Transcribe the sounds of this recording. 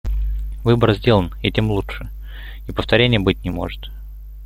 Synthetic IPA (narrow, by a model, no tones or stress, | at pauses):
vɨbərzʲdʲelˠənitʲemlˠuʂɨ | ipəft̪ɐɾʲenʲɪjəbɨtʲnʲɪmo̰ʐɨt̪